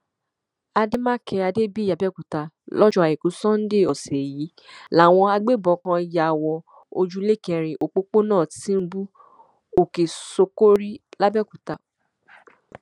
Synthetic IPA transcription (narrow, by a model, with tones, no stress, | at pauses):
a˧de˦mã˦˨kʰɛ˧a˧de˦bi˦ja˨bɛ˦˨ku˨ta˧ | lɔ˦d͡ʒɔ˧a˨i˨ku˨˦sɔ̃˦n̩˦de˦˨ɔ˨sɛ˨ji˨˦ | la˨˦˨w̃ɔ̃˧a˧ɡ͡be˦˨bɔ˧˦kã˧i˨ja˨wɔ˧ | o˧d͡ʒu˦le˦kɛ˧ɾ̃ĩ˨ʔo˨k͡po˦k͡po˦nãː˦˨tĩ˦m̩˦bu˦ | o˨ke˨so˧ko˦ɾi˦la˦bɛ˦˨ku˨ta˧